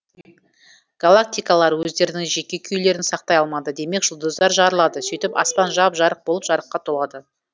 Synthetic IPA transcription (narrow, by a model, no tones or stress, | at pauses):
ɡ̥alˠak̚t̪ijkalˠɑɾwɵzd̪e̞ɾɪnɪŋʒe̞kʲe̞kʲʰʏjle̞ɾɪnsɑq̚t̪ɑjɑlˠmɑd̪əd̪e̞me̞kʒ̥ʊlˠd̪əzd̪ɑɾʒɑɾəlˠɑd̪əsijt̪ɪpɑ̰spɑnʒɑpʒɑɾəq̚bolˠəpʒɑɾəqːɑt̪ʰolˠɑd̪ə